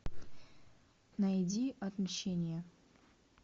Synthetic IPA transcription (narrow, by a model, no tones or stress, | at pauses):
nɐjdʲiɐt̪mɕenʲɪjə